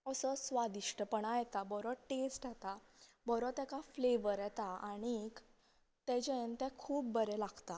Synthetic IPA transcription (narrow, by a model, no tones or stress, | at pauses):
əsəsʋad̪iʂʈəpəɳ̃ajɛt̪abɔɾɔʈesʈat̪abɔɾɔt̪ɛkafleʋəɾjɛt̪aaɽ̃ik | t̪ɛd͡ʑent̪ɛ̃kʰuːp̚bəɾɛlaɡt̪a